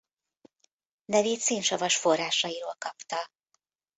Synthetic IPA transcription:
nɛveːt̪seːnʃɒvɒʃfo̞rːaːʃɒjiɾoːlkɒpt̪ɒ

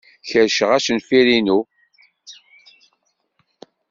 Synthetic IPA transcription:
çəɾʃəʁæʃənfiɾinu

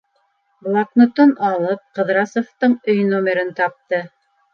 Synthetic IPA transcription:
blˠaknŏt̪onɑlˠɤp̚qɤ̆ðɾɑsŏft̪ɤɴɵjnomʲeɾɘnt̪ɑp̚t̪ɤ

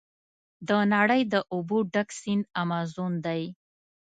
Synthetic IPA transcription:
d̪ənaɽəjd̪əʔʊbuɖaksinamɑzund̪aj

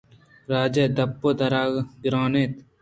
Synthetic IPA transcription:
ɾaːd͡ʒed̪ɐpːoːd̪ɐɾaːɡɡɾaːneːt̪

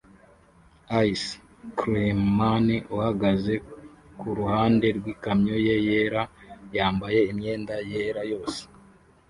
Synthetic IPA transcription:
ais | kɾemaniʔuhaɡaze̞kuɾuhaːnde̞ɾɡwiːkamɲo̞je̞jeːɾajaːmbaje̞imɲe̞ːndajeɾajo̞ːse̥

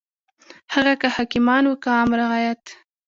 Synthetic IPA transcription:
haɣakəhɑkimɑnwəkaɑmɾaɣɑjat̪

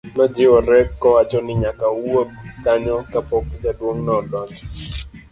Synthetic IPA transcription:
mad͡ʒɪɔɾɛkːɔwat͡ʃɔnɪɲakawob̚kaɲɔkapɔkd͡ʒadwoŋnɔdwɔt͡ʃ

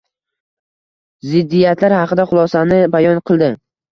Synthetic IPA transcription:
zɪd̪ːijat̪ʰlaɾhɑqɨd̪aχʊlˠɒsanɪbajɒnqʰɨlˠd̪ɪ

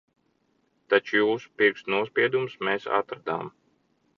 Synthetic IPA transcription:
t̪at͡ʃujuːsu̥piɾksnuɔspʲiɛd̪umsmeːsa̰t̪ɾad̪a̰ːm

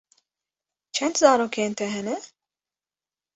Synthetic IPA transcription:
t͡ʃʰɛnt̪zaːɾoːkʰeːnt̪ʰɛɦɛnɛ

